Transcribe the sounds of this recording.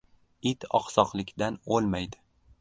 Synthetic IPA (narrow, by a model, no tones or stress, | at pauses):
ɪt̪ɒ̰qsɒqlˠɪkʲd̪anolˠmajd̪ɪ